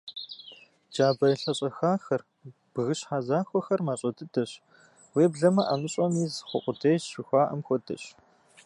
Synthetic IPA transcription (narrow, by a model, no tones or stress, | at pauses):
d͡ʒaːbɐiɬɐɕʼɐxaːxɐr | b̥ɣɨɕħazaːxʷɔxɐrmaːɕʼɐdʰɨdʰɐɕ | weːbɮɐmɐʔaːmɨɕʼɔmiːzχʷʊqʷʊdʰejzʃɪxʷaːʔɐmxʷɔdʰɐ̰ɕ